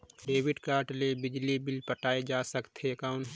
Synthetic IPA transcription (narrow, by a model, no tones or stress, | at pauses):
ɖeːwɪɖkaːɾʈlebɪd͡ʒlibɪlpəʈaːed͡ʒaːsəkt̪ɦekaːʊn